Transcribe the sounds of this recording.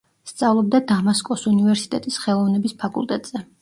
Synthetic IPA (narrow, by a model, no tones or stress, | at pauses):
st̪sʼavlˠɔb̚d̪ad̪amaskʼɔsunivɛɾsi̥t̪ʼɛt̪ʼisχɛlˠɔvnɛbispʰakʼṵlˠt̪ʼɛt̪ʼz̥ɛ